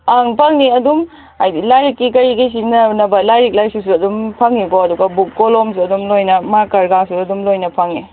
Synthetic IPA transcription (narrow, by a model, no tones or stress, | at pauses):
aŋpʰɐŋniɐdum | ajdilajɾikːikɐɾiɡɐjs̬inɐnɐbɐlajɾik̚lajsus̬uɐdumpʰɐŋːikoɐduɡɐbuk̚ːoloms̬uɐdumlojnɐmakɐɾɡasuɐdumlojnɐpʰɐŋni